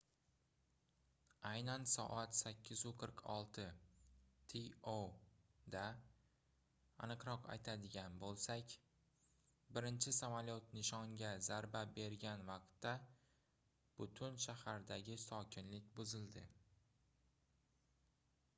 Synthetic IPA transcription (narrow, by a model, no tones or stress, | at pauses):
ajnansɒ̰ʔat̪sakʲːɪzʊqʰɨɾqʰɒ̰lˠt̪ʰɪ | t̪ʰiod̪a | anɨqɾɒqa̰jt̪ʰad̪ɪɡʲanbolˠsakʲ | bɪɾɪnt͡ʃʰɪsamaljot̪nɪʃɒŋɡʲazaɾbabe̞ɾɡʲanvɑq̚t̪ːa | b̥ʊt̪ʰʊnʃahaɾd̪aɡʲɪsɒkʲʰɪnlɪk̚ʲbʊzɪld̪ɪ